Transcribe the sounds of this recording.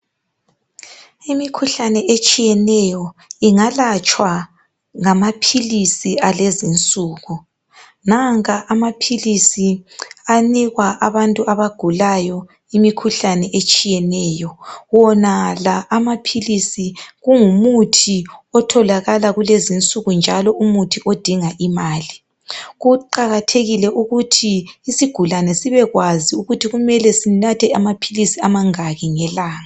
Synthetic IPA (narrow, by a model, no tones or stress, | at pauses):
imikʰuɬanɛʔet͡ʃʼijɛnɛjɔiŋalat͡ʃʼwa | ŋamapʰilisialezint͡sʼuːɣu | naŋaʔamapʰilisianiɣwaʔaβantʼuaβaɡ̥ʱulajɔ | imikʰuɬanɛʔet͡ʃʼijɛnɛjɔwɔnalaʔːmapʰilisiɣuŋumutʰiɔtʰɔlaɣalaɣulezint͡sʼuɣund͡ʒʱalɔʔumutʰiʔod̥ʱiŋaʔimaːli | ɣuǃaɣatʰeɣilɛʔuɣutʰiːsiɡ̥ʱulanɛsiβɛɣwaziuɣutʰiɣumɛlɛsinatʰɛamapʰilisiamaŋaɣiŋɛlaːŋaa